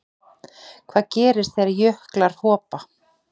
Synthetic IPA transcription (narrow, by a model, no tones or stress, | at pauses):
kʰv̥aːðcɛːɾɪsθejɾajʏhklaɾ̥hɔːpa